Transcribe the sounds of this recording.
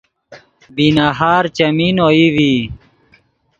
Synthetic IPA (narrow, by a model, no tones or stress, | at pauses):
binaɦaːɾt͡ɕɐmiːnoːiʋiː